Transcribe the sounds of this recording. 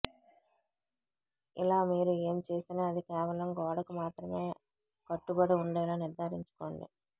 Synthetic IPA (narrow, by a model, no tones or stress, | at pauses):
ḭlaːmiːɾue̞ːmt͡ʃeːsinaːɐd̪ikɛːʋɐlɐmɡɔːɽɐkumaːt̪ɾɐmeː | kɐʈːubɐɽuuɳɖɐjlaːniɾd̪ʱaːɾiɲt͡ʃu̥ko̞ːɳɖḭ